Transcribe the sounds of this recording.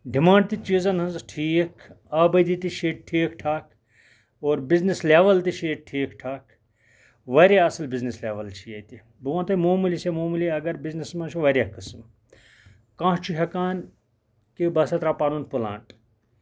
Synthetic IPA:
ɖimãːɳɖ̚t̪it͡ʃiːzɐnɦɐnzʈʰiːkʰ | aːbɐd̪it̪iʃeːʈ̚ʈʰiːkʈʰaːk | oːɾbiznislʲeːʋɐlt̪iʃeːʈ̚ʈʰiːkʈʰaːkʰ | ʋɐɾʲeɐsɨlbiznislʲeːʋɐlt͡ʃʰijɐt̪i | buʋãːt̪ɐmoːmulisemoːmulʲiɐɡɐɾbiznismɐ̃nt͡ʃʰuʋɐɾʲɐkːɨsm | kãːɦt͡ʃʰuɦʲɐkaːn | kibɐsɐt̪ɾapaːnunpula̰ːɳʈ

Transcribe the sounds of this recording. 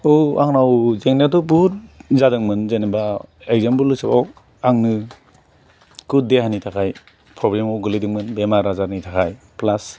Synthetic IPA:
owaŋnawzeŋnatɔbuɾzadɯŋmɯnzenebaeɡzambɯlːɯsapaw | aŋnɯ | kuddeɦanitʰakʰaj | pɾɔblemawɡɯlidɯŋmɯnbemaɾazaɾnitʰakʰaj | plas

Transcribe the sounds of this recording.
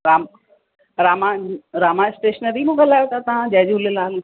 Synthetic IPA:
ɾaːm | ɾaːmãɾaːmaɪsʈeːʃənəɾimũɡʱɐlaːjot̪ʰat̪ɐʋ̤ãd͡ʑɐɦd͡ʑʊlelaːl

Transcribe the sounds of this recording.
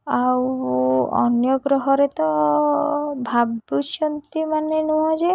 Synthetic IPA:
aw | ɔ̰njɔɡɾɔɦɔɾet̪ɔ | bʱabut͡ʃɔnt̪imanenũɦɔ̃d͡ʒe

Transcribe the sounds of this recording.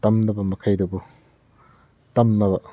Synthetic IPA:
tɐmnɐbɐmɐkʰɐjdɐbu | tɐmnɐbɐ

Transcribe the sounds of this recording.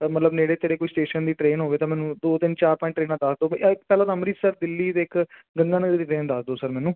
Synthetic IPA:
mət̪ləbneːɽeːt̪eːɾeːkoːisʈeːʃənd̪iːʈɾeːnɦoːʋeːt̪ãːmɛːnũːd̪oːt̪ɪnt͡ʃaːɾpɔ̃ːɪ̃ɳʈːɾeːnãːd̪əsd̪oːɪkpɛːlãːt̪ãːmɾiːsəɾd̪ɪlːiːd̪eːɪk | ɡənd̪ãːnədd̪iːʈɾeːnd̪əsd̪oːsəɾmɛːnũː

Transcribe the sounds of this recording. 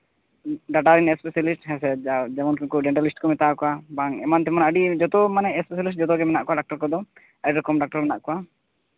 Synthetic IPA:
ɖaʈaɾinɛspɛsalisʈɦɛsɛad͡ʒamɔnkukɔd͡ʒɛɳʈalisʈkɔmɛt̪akɔwabaŋɛmant̪ɛmanaəɖid͡ʒɔt̪ɔmanɛʔɛspɛsalisʈ̚d͡ʒɔt̪ɔɡɛmɛna̰ʔkɔwaɖak̚ʈɔɾkɔd̪ɔ | əɖiɾɔkɔmɖak̚ʈɔɾmɛnaʔkɔwa

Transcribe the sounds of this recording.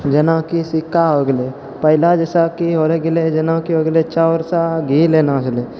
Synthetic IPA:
d͡ʒənãkisɪkːaoɡle | pəɦɪlad͡ʒesakiɦoɾeɡɪled͡ʒənãkioɡlet͡ʃaɾsaɡʱilenãːt͡ʃle

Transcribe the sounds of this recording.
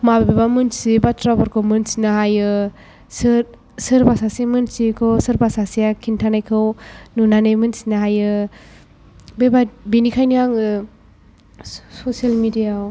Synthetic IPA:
mabebebamɯnsibatʰɾabɔɾkʰɔmɯnsinɯɦajɯ | sɯɾ | sɯɾbasasiamɯnsikʰɯwsɯɾbasasijakʰintʰanajkʰɯwnunanɯjmɯnsinaɦajɯ | bebabinikʰajniaŋɯ | sɔsalmidijaw

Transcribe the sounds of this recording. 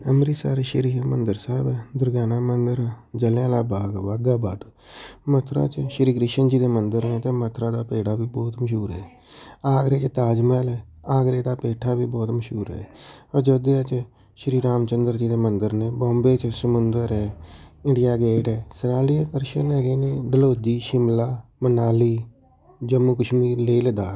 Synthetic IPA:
əmɾiːsaːɾeːʃəɾiːamənd̪əɾsaːbd̪ʊɾɡaːnaːmənd̪əɾd͡ʒəljãːlaːbaːɡʋaːɡ̪aːbaːʈ | mət̪ʰɾa̰ːt͡ʃʃəɾiːɡɾɪʃənd͡ʒiːd̪eːmənd̪əɾnẽːt̪ẽːmət̪ʰɾaːd̪aːpeːɽaːbiːbɔːt̪məʃuːɾɦɛː | aːɡɾeːt͡ʃt̪aːd͡ʒmɛːlɛː | aːɡɾeːd̪aːpeːʈʰaːbiːbɔːt̪məʃuːɾɦɛ̰ːɔːɾd͡ʒoːd̪eat͡ʃ | ʃəɾiːɾaːmt͡ʃənd̪əɾd͡ʒiːd̪eːmənd̪əɾneːbɔ̃ːmbeːt͡ʃsəmʊnd̪əɾɛːɪ̃ɳɖɪjaːɡɛːʈɛːsəɾaːliːəkəɾʃənɛːɡeːneːɖəloːd͡ʒiːʃɪmlaːmənaːliː | d͡ʒəmːukəʃmiːleiləd̪aːɾ

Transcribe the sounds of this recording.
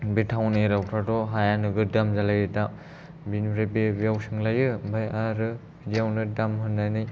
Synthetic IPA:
betʰawneɾawtʰadɔɦajanɯɡɯdamzalajɯdam | binɾebebijawsɯŋlajɯbajaɾɯ | bidiawnɯdamɦɯndajnɯj

